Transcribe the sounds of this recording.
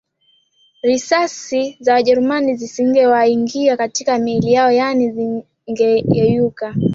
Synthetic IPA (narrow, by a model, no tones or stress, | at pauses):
ɾisasizawaʄɛɾumanizisiŋ̩ɡɛwaiŋɡiakatikamɛlijaɔjanizi | ŋɡɛjɛjuka